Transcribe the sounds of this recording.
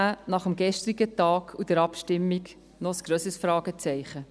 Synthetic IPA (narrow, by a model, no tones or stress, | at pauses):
anɑχəmɡɛʃtɾiɡətɑːɡʰud̥əɾɑpʃtɪmːik | nɔsɡ̥ɾøːsəsfɾɑːɡ̥ət͡sɛɪχə